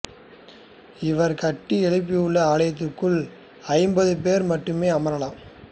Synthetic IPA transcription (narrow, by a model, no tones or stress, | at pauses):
ɪʋɐɾkɐʈːiɛɭɪp̬ːɪjʊɭːɐaːlɐjɐt̪̬ːɯrkːɯɭ | ɐɪmbɐðɯpeːɾmɐʈːɯmeːɐmɐɾɐlaːm